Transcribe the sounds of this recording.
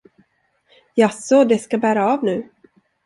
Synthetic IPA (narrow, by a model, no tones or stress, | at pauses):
jasɔd̪ɛskabæːɾaːvnʉ̟ː